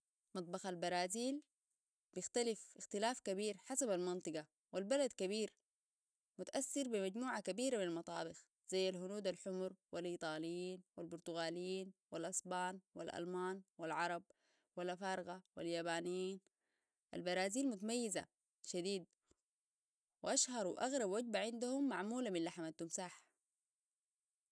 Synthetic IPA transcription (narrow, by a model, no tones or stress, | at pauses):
mɑt̪̚ˤbɑxalbɑɾˤɑːziːl | bɪxt̪alifʔɪxt̪ilaːfkabiːɾħasabalmɪnt̪ˤɨɡɑ | wilbalad̪kaβiːɾ | mʊt̪aʔasːɪɾbimaɟmuːʕakabiːɾaminalmɑt̪ˤɑ̰ːbɪx | z̥ajːalhʊnuːd̪alħʊmɾwilʔiːt̪ˤɑːlijːiːnwalbʊɾt̪uɣaːlijːiːnwilʔɑsˤbɑːnwḭlʔa̰lmaːnwilʕɑɾˤɑb̚ | walʔafɑːɾɣawiljaːbaːnijiːn | ʔa̰lbɑɾˤaːziːlmʊt̪amajːiza̰ | ʃad̪iːd̪̚ | wɪʔaʃhɑɾˤuʔaɣɾˤɑbwaɟ̚baʕɪnd̪ahumːaʕmuːlaminlaħamat̪ːumsaːħ